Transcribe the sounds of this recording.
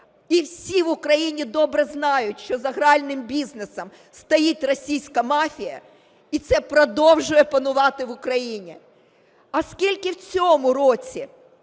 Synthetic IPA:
iwsʲiʋʊkɾɐjinʲid̪ɔbɾɛznɑjʊtʲʃt͡ʃɔzɐɦɾɑlʲnɪmbʲiznesɐm | st̪ɐjit̪ʲrɔsʲijsʲkɐmɑfʲijɐ̰ | it̪sɛpɾɔd̪ɔwʒʊjɛpɐnʊʋɑt̪ɪʋʊkɾɐjinʲi | ɐskʲilʲkɪwt͡sʲɔmʊɾɔt͡sʲi

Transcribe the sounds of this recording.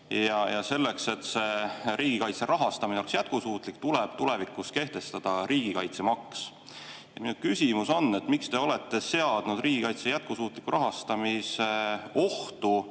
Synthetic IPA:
jɑjɑse̞lːe̞kse̞t̪ːse̞ɾiːɡ̥ikɑjt̪se̞ɾʔɑɦɑst̪ɑmineolksjæt̪̚kusuːt̪ˑlik̚t̪uleb̥t̪ule̞vikːˑuske̞ht̪e̞st̪ɑd̪̥ɑɾiːɡ̥ikɑjt̪se̞mɑks | jɑ̰minukysʲimuso̞nːe̞t̪ːˑmikst̪e̞o̞le̞t̪ːe̞se̞ɑd̪̥nud̪riːɡ̥ikɑjt̪se̞jæt̪̚kusuːt̪ˑlikːˑuɾʔɑɦɑst̪ɑmiseo̞ht̪u

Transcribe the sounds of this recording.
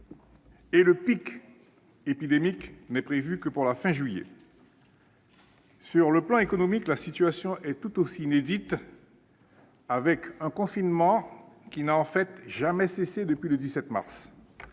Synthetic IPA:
eləpik | epid̪emiknɛpχevykəpuʁlafɛ̃ʒɥijɛ̰ | syʁləplɑ̃ekɔnɔmiklasit̪yasjɔ̃ʔɛt̪ut̪osiːned̪it̪ | avɛkɛ̃kɔ̃finmɑ̃ | kʲinaɑ̃fɛt̪ʒamɛsesed̪əpɥiləd̪isɛt̪ma̰ʁs

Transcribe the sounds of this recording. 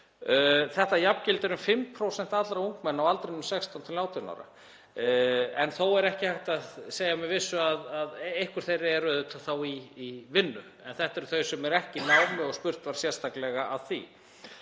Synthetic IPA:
θɛht̪ajapcɪlt̪ɪɾʏmfɪmpʰɾowsɛn̥t̪at̪lɾauŋkmɛnːawalt̪ɾenʏmsɛkst̪awnt̪ʰɪlaːwt̪ʰina̰wɾa̰ | ɛnθowɛɾɛhcɪhajht̪aðseːjamɛvɪsːʏaðaðejhkʏɾ̥t̪θejɾɪɛrœðʏt̪ʰaθawiːvɪnːʏ | ɛnθɛht̪aɛɾʏθœɥsɛmɛɾɛhcɪnaːwmɪɔspʏr̥t̪vaɾ̥sjɛr̥st̪ʰaklɛɣaʔaðθḭ

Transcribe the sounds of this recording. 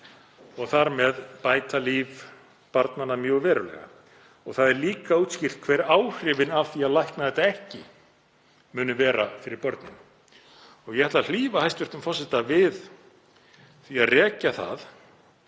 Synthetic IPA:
ɔɣθaɾmɛðpaːjt̪aliːv | paɾt̪nanːamjœːɣvɛːɾʏlɛ̰ɣa̰ | ɔɣθaðɛɾliːkauːt̪scɪr̥t̪̚kʰvɛɾaːwr̥rɪvɪnav̥θiaðlajhknaðɛht̪aɛhcɪ | mʏːnʏvɛːɾafɪɾɪɾpɔɾt̪nɪ̰n | ɔɣjɛhɛɾt̪lal̥iːvahajst̪vʏɾt̪ʏmfɔsɪht̪avɪð | θiaðrɛːcaθa̰ð

